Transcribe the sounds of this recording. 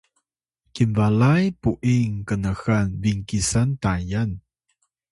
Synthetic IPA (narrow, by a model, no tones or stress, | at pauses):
kinvalajpuʔiŋkənəxanviŋkisantajan